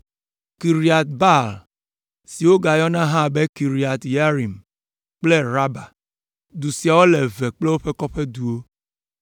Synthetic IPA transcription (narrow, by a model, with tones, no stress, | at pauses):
ki˨ɾi˨a˨t̪̚ba˦l | si˨wo˦ɡa˨jɔ˦nã˦ɦã˦˨be˦ki˨ɾi˨a˨t̪ja˦ɾi˨m | k͡plɛ˦ɾa˦ba˨ | d̪u˨si˨a˨wo˦le˨vɛ˨k͡ple˦wo˦ɸe˦kɔ˦ɸɛ˦d̪u˨wo˦